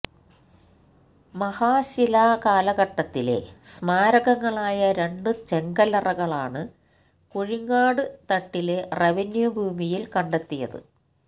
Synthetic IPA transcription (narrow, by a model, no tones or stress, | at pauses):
mɐhaːɕilakaːlɐɣɐʈːɐt̪ːile̞̰smaːɾɐɣɐŋːɐɭaːjɐɾe̞ɳɖɨt͡ɕeŋɡɐlɐrɐɣɐɭaːɳɨ | kuɻiŋːaːɽɨt̪ɐʈːile̞reʋenjubʱuːmijilkɐɳɖet̪ːijɐ̰ðɨ̰